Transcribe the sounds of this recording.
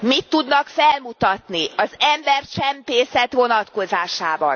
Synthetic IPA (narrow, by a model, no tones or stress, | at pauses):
mit̪ːud̪nɒkfɛlmut̪ɒt̪niɒzɛmbɛrt͡ʃɛmpeːsɛt̪ʋo̞nɒt̪ko̞zaːʃaːbɒ̰n